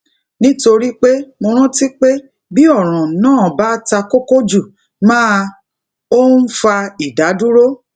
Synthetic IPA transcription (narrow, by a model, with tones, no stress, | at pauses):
nĩ˦to˧ɾi˦k͡pe˦mo˧ɾ̃ũ˦ti˦k͡pe˦ | bi˦ɔ˦˨ɾ̃ã˨nãː˦˨ba˦ta˧ko˦ko˦d͡ʒu˦˨ | mãː˦ | o˦n̩˦fa˧i˨da˨˦du˦ɾo˦